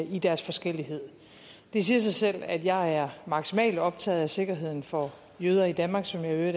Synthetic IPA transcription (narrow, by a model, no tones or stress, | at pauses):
id̥æɐsfɒ̽sɡ̥el̰iɦe̝ð̰ˠ | d̥e̝s̬iːɐs̬ɑ̈ɪsel̰æd̥jɑ̈ɪæɐmɑ̈ɡ̥simɛ̰ːld̥ɒ̽b̥̚t͡sʰɛ̰ːð̞̩ˠæse̝ɡ̥ɐɦe̝ð̞̰ˠn̩fɒ̽ | jøːð̞ˠɐid̥ænmɑ̈ːɡ̥sɒ̽mjɑ̈øɐ